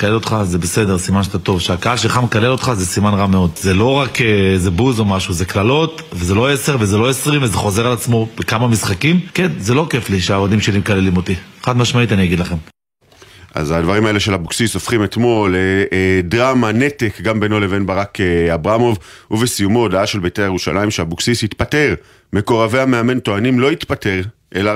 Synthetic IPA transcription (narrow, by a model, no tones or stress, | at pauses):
kalelo̞t̪χaze̞be̞se̞de̞ʁsimanʃat̪at̪o̞vʃeakaaʃelχamekale̞lo̞t̪χaze̞simanʁame̞o̞dze̞lo̞ʁakeze̞buzo̞maʃuzeklalo̞t̪ | veze̞lo̞ese̞ʁveze̞loesʁimvezeχo̞ze̞ʁalat͡smo̞b̥ekamamisχakimkenze̞lo̞ke̞fliʃeavadimʃelimekalelimo̞t̪iχad̪maʃmait̪aniaɡid̪laχe̞m | ʔa̰zad̪vaʁimae̞le̞ʃe̞lhabuksisofχimet̪mo̞ledʁamane̞t̪ekɡambe̞no̞leve̞nbaʁakeabʁamo̞vuvesijumo̞d̪aaʃe̞lbet̪ejajuʃa̰lʔaimʃehabuksishit̪pate̞ʁ | meko̞ʁave̞ame̞ame̞nt̪o̞animlo̞it̪pate̞ʁ | ʔe̞la